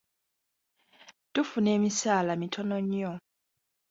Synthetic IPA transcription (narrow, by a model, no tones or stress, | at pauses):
tufune̞ːmisaːlamitʰonoɲjo